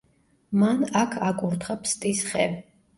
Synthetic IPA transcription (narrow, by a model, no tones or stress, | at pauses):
manakʰakʼuɾt̪ʰχapʰst̪ʼisχɛ